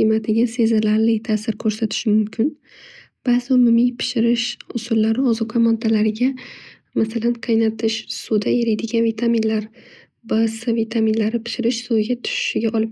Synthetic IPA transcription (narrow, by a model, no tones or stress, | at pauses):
qimat̪ʰɪɡʲase̞zalaɾlɪt̪ʰasɪɾkʰɵɾsat̪ʰɪ̥ʃɪmʊmkʲʰɪn | b̥azɪʊmʊmijpʰɪ̥ʃɪɾɪʃʊsʊlːaɾɪɒzɒqʰamɒd̪alaɾɪɡʲa | masalanqʰɑjnat̪ʰɪʃsud̪aeɾɪjd̪ɪɡʲanvit̪ʰamɪnlaɾ | bəsɨvit̪ʰaminlaɾɪpʰɪ̥ʃɪɾɪʃsojɡʲat̪ʰʊ̥ʃɪ̥ʃɪɡʲaʔɒlˠɪp̚